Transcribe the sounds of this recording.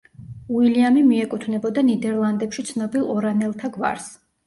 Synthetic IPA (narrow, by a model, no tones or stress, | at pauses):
uiliamimiɛkʼut̪ʰvnɛbɔd̪anid̪ɛɾlˠand̪ɛpʃit̪sʰnɔbilˠɔɾanɛlˠt̪ʰaɡva̰ɾs